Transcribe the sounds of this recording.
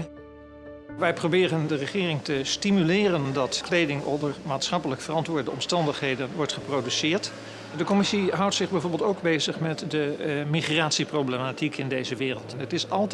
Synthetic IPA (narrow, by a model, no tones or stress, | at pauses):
ʋɛjprowbɪːrəndərəχɪːrɪŋtəstimylɪːrəndɑtklejdɪŋo̰dəɹmaːtsχɑpələkfərɑntʋʊːɹdəɔmstɑndəχɦejdənʋɔɹtχəprowdysɪːɹt | dəkɔmɪsiɦʌwtsɪχbɛjvoːɹbəlˠtowɡbejzəχmɛtdəmiχraːtsiprowblematikʰɪndejzəʋɪːrəlˠtnətɪsɑlˠt